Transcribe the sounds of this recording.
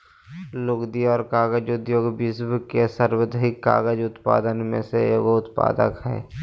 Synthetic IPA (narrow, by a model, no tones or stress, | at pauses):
lʊɡd̪iɔːɾkaːɣəd͡ʒʊd̪joːɡbisbkesəɾwəd̪ʱəɦɪkːa̰ːɡəd͡ʒʊt̪pa̰ːd̪ənmḛ̃seɡʊt̪pa̰ːd̪ə̰kɦɛ̰ː